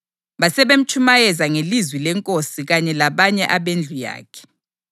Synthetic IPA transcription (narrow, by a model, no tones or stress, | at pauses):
ɓasɛɓem̩t͡ʃʰumajɛzaŋelizwilɛŋkʼosiɣaɲɛlaɓaɲɛʔaɓend͡ɮʱuja̰ːkʰɛ̥